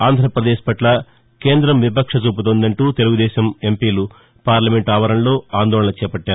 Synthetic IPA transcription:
aːnd̪ʱɾɐpɾɐd̪ɛːʃpɐʈlɐ | keːnd̪ɾɐmʋipɐkʂɐt͡ʃuːp̬ut̪ond̪ɐɳʈuːt̪e̞luɡud̪ɛːʃɐme̞mpiːlu | paːɾlɐmeɳʈaːʋɐɾɐnlo̞ːaːnd̪ɔːɭɐɳnɐt͡ʃɛːpɐʈːaːɾu

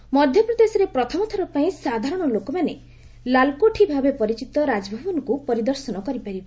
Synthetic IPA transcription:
mɔd̪ʱjɔpɾɔd̪esɔɾepɾɔt̪ʰɔmɔt̪ʰɔɾɔpaĩsad̪ʱaɾɔɽ̃ɔlokɔmane | lalkoʈʰibʱabepɔɾit͡ʃit̪ɔɾad͡ʒɔbʱɔbɔnɔkupɔɾid̪ɔɾsɔnɔkɔɾipaɾib

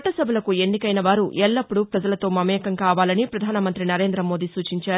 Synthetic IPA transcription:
ʈːɐsɐbʱɐlɐkue̞nːikɐjnɐʋaːɾuʔɛɭːɐpːuɽupɾɐd͡ʒɐlɐt̪o̞ːmɐmɛːkɐŋkaːʋaːlɐnipɾɐd̪ʱaːnɐmɐnt̪ɾinɐɾe̞ːnd̪ɾɐmo̞ːd̪iːsuːt͡ʃiɲt͡ʃaː

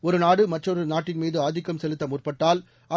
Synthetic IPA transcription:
ɔɾɯnaːɽɯmɐʈrɔɾɯnaːʈːɪnmiːðɯaːd̪ɪkːɐmsɛlɯt̪ːɐmʊrpɐʈːaːl | ɐ

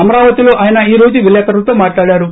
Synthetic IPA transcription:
ɐmɐɾaːʋɐt̪ilo̞ːʔaːjɐnɐiːɾo̞ːd͡ʒuʋilɛːkɐɾɐlɐt̪o̞ːmaːʈlaːɽaːɾu

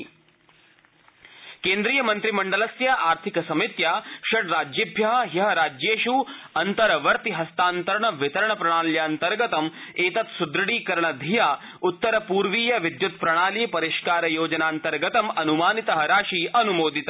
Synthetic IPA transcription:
keːnd̪ɾiːjɐmɐnt̪ɾimɐɳɖɐlɐsjɐʔaːɾt̪ʰikɐsɐmit̪jaːʃɐʈɾaːd͡ʒjɐbʱjɐɦɐɦjɐɦɐɾaːd͡ʒjeːʃuːɐnt̪ɐɾɐʋɐɾt̪iɦɐst̪aːnt̪ɐɾɐɳɐʋɪt̪ɐɾɐɳɐpɾɐɽ̃aːljaːnt̪ɐɾɡɐt̪ɐmeːt̪ɐt̪sud̪ɾɐɽiːkɐɾɐɳɐd̪ʱijaː | ut̪ːɐɾɐpuːɾʋiːjɐʋid̪jut̪pɾɐɽ̃aːliːpɐɾiʃkaːɾɐjoːd͡ʒɐnaːnt̪ɐɾɡɐt̪ɐmɐnumaːnit̪ɐɦɐɾaːʃiːɐnumoːd̪it̪ɐ

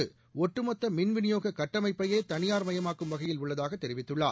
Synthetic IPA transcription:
ɯ | ɔʈːrɯmɔt̪ːɐmɪnʋɪnɪjoːɣɐkɐʈːɐmɐɪpːɐjeːt̪ɐnɪjaːɾmɐjɐmaːkɯmʋɐɣɐjɪlʊɭːɐðaːɣɐt̪ːɛɾɪʋɪt̪ːɯɭːa̰ː

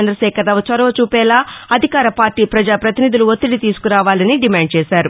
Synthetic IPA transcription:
nd̪ɾɐʃɛːkɐɾɐʋɐt͡ʃɐɾɐʋɐt͡ʃuːpɛːlaːɐd̪ʱikaːɾɐpaːɾʈiːpɾɐd͡ʒaːpɾɐt̪inid̪uluot̪ːiɽit̪iːsu̥kuɾaːʋaːlɐniɖimaːɳɖ̚t͡ʃɛːsaːɾu

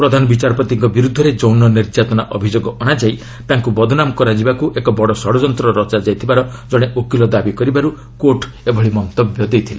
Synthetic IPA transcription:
pɾɔd̪ʱanɔbit͡ʃaɾɔpɔt̪iŋkɔbiɾud̪ʱːɔɾed͡ʒownɔniɾd͡ʒat̪ɔnaʔɔbʱid͡ʒoɡɔʔɔɽ̃ad͡ʒaj | t̪aŋkubɔd̪ʱɔnamɔkɔɾad͡ʒibakuʔekɔbɔɽɔsɔɽɔd͡ʒɔnt̪ɾɔɾɔt͡ʃad͡ʒajt̪ʰibaɾɔd͡ʒɔɽ̃eʔokilɔd̪abikɔɾibaɾu | koʈ | ebʱɔɭimɔnt̪ɔbjɔd̪ejt̪ʰile

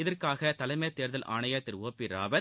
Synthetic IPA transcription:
ɪðɐrkaːɣɐt̪ɐlɐɪmɐjt̪ːeːɾðɐlʔaːɳɐjɐt̪ːɪɾoːpːiɾa̰ːbɐ

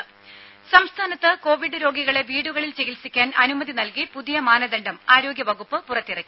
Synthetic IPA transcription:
sɐmst̪ʰaːnɐt̪ːɨko̞ːʋiɖɨɾo̞ːɡiɣɐɭe̞ʋiːɽuɣɐɭilt͡ɕeɣilsikʲːaːnɐnumɐðinɐlkipuðijɐmaːnɐd̪ɐɳɖɐmaːɾo̞ːɡjɐʋɐɣupːɨpurɐt̪ːirɐkʲːi

